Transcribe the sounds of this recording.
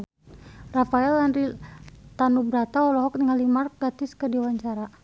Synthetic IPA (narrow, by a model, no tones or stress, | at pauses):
rafaɛlanrit̪anubɾat̪aɔlɔɦɔk̚niŋalimark̚ɡat̪iskərdiwaɲt͡ʃaɾa